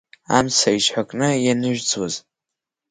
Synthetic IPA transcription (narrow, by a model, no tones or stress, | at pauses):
a̰msʰait͡ʃħʷakʼnɨjanɨʒᶣt͡sʰʼwaz